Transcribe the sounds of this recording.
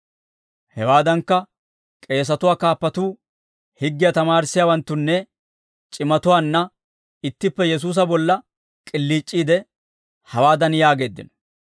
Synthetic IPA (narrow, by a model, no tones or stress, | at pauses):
hɛwaːd̪ɐŋkːɐ | kʼe̞ːs̬ɐt̪ʊwaːkaːpːɐt̪uː | hɪɡːɪjat̪ɐmaːɾsːɪjaːwɐnt̪ːʊnːɛ | t͡ʃʼɪmɐt̪ʊwaːnːɐ | ɪt̪ːɪpːɛjɛs̬uːs̬ɐbɔlːɐ | kʼɪlːiːt͡ʃʼːiːd̪ɛ | hɐwaːd̪ɐnjaːɡe̞ːd̪ːɪ̰nɔ̥